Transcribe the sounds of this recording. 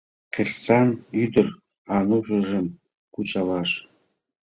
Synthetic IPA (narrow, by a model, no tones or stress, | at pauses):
qʲerʲsɑnyd̪ɘ̆r | ɑnuʐɤ̆ʐɤ̆m | kut͡ɕɑlɑʂ